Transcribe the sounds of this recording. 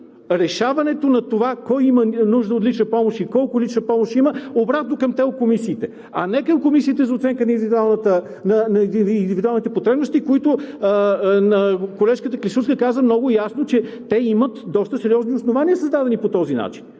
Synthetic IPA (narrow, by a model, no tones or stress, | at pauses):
ɾɛʃavɐnɛt̪onɐt̪ovakɔjimənuʒd̪əot̪lit͡ʃnɐpɔmoʃikɔlˠkʊt̪lit͡ʃnəpɔmoʃiməobɾat̪nokɐmt̪ɛokomisiːt̪ɛ | ɐ̰nɛkəmkomisiːt̪ɛzɐot̪sɛŋkənɐinivid̪ualˠnət̪ə | nɐnɐind̪ivid̪ualˠnit̪ɛpot̪ɾɛbnost̪ikoit̪ʊ | nɐkolɛʃkət̪əklʲisʃuskəkazəmnɔɡʊjasnot͡ʃɛt̪ɛimət̪d̪ɔst̪əsɛɾʲijɔzniosnovanʲiəsəzd̪ad̪ɛnipot̪ɔzina̰t͡ʃin